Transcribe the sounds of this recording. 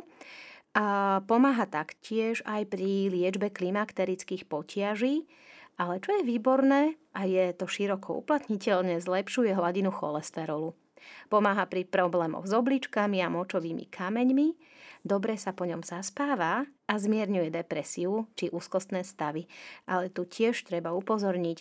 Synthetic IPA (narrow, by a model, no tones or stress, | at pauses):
pɔmaːɦat̪akcɪɛʒajpɾilɪɛd͡ʒbɛklimakt̪ɛɾit͡skiːxpɔcɪaʒiː | ʔalɛt͡ʃɔjɛʋiːbɔɾnɛːʔajɛt̪ɔʃiɾɔkʰɔṵplat̪ɲicɛʎɲɛzlɛpʃujɛɦlaɟinuxɔ̰lɛst̪ɛɾɔlu | pɔmaːɦapɾipɾɔblɛːmɔ̰ɣzɔblit͡ʃkamiamɔt͡ʃɔʋiːmḭkʰamɛɲmi | d̪ɔbɾɛsapɔɲɔmzaspaːʋaazmɪɛɾɲujɛd̪ɛpɾɛsiut͡ʃiʔuːskɔst̪nɛːst̪aʋiʔalɛt̪ucɪɛʃt̪ɾɛbaupɔzɔɾɲic